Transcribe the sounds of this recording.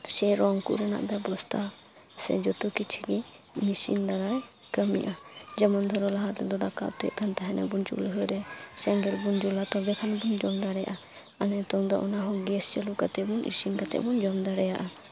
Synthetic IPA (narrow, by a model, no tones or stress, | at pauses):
sɛɾɔŋkṵɾɛna̰ʔbɛbɔst̪ʰa | sɛ̰d͡ʒɔt̪ukit͡ʃʰiɡi | misḭnd̪aɾaj | kəmḭʔad͡ʒɛmɔnd̪ʱɔɾɔlaɦat̪lɛd̪ɔd̪aka̰ʔt̪uɛ̰ʔ̪̚kʰant̪aɦɛnɛ̰bunt͡ʃṵlɦɔjɾɛsɛŋɡɛlbund͡ʒulat̪ɔbɛkʰanbund͡ʒɔmd̪aɽɛja̰ʔa | anɛt̪ɔŋd̪ɔʔɔnaɦɔ̃ɡɛst͡ʃɛlukat̪ɛbunʔḭsinkat̪ɛ̰ʔbund͡ʒɔmd̪aɽɛjaʔa